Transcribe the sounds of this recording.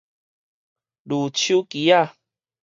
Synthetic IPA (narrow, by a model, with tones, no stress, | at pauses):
lu˨t͡ɕʰju˦ki˨˦a˥˦˨